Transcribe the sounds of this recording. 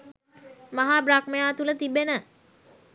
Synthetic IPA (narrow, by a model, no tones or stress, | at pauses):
maɦaːbɾakməjaːt̪ulət̪ibenə